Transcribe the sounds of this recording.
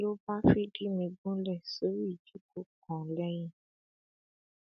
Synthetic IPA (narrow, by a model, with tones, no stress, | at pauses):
lo˦ba˦fi˦di˦mĩ˧ɡũ˦lɛ˦˨so˨˦ɾi˦i˦˨d͡ʒu˨˦ko˦kɔ̃˨˦lɛ˦jĩ˦